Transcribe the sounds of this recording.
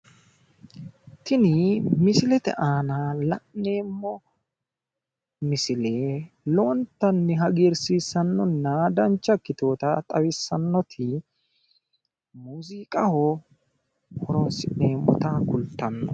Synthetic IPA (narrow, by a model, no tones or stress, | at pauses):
t̪ɪnɪmɪsɪlɛt̪ɛ̰ʔaːnalɐʔne̞ːmːɔ | mɪsɪleː | loːnt̪ːɐnːɪɦɐɡeɾsiːsːɐnːɔnːɐd̪ɐnt͡ʃːɐkːɪt̪o̞ːt̪ɐt̪ʼɐwɪsːɐnːɔt̪ʰɪ | muːziːkʼɐhɔ | hɔɾɔːnsɪʔneːmːɔ̰t̪akʊlt̪ːɐnːɔ